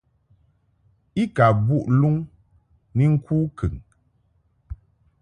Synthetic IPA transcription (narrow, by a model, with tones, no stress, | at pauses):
i˦ka˨bu˦ʔlu˦ŋ | ni˦ŋ̩˦kʰuː˦kʰɨ˨ŋ